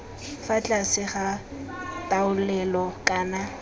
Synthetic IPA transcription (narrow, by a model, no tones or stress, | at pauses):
fat͡ɬʼasɪχa | tʼaʊlɛlɔkʼaːna